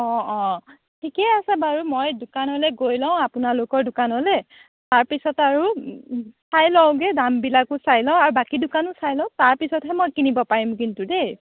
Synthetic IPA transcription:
ɔ̃ɔ̃ | tʰikɛasɛbaɹumojdʊkanɔlɛɡojlãʊ̃apʊnalokɔɹdʊkanɦɔlɛ | taɹpisɔtaɹu | sajlɔ̃ʊ̃ɡɛdambilakʊsajlɔ̃ʊ̃aɹubakidʊkanʊsajlɔ̃ʊ̃taɹpisɔtɦɛmojkinibɔpaɹimkintudej

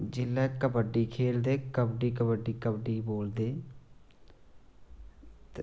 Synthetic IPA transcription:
d͡ʒɪlːɛːkəbəɖːiːkʰeːld̪eːkəbɖiːkəbəɖiːkəbɖiːboːld̪eː | t̪

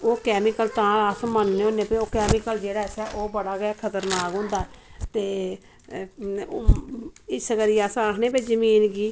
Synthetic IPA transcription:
oːkɛːmɪkəlt̪ãːasmənːeːõːnːẽːpẽoːkɛːmɪkəld͡ʒeːɽaːsɛːʔoːbəɽaːɡaːkʰət̪əɾnaːkɦʊ̃ːnd̪aːɛt̪eː | ɪsəɡəɾiaːsãːkʰnẽːpeːd͡ʒəmiːnɡiː

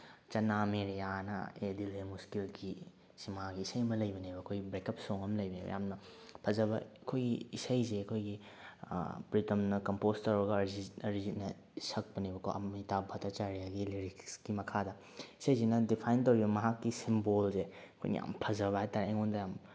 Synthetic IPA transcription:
t͡ʃɐnameɾijanɐ̰edilemuskilki | simaakɡiːsɐjmɐlɐjbɐnibɐɐkʰojɡibɾekɐp̚soŋɐmlɐjbɐnibɐ̰ja̰mnɐpʰɐzɐbɐɐkʰojɡiisɐjzeɐkʰojɡḭ | pɾitɐmnɐkɐmpostɐwɾɐɡɐɾziɐɾizitnɐ | sɐk̚pɐnibɐkʰo̰ɐ̰mitabʱɐtɐt͡ʃaɾijaɡiliɾiksɡimɐkʰadɐ | isɐjsenɐdipʰajntɐwɾibɐmɐɦakːisimbolseɐkʰo̰jn̰ja̰mpʰɐzɐβaetaɾeŋondɐjam

